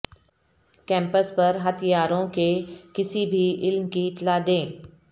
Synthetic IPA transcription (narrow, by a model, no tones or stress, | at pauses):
kɛ̃ːmpəspɐɾɦɐt̪ʰijaːɾõkekɪsibʱiɪlmkiɪt̪lad̪ẽː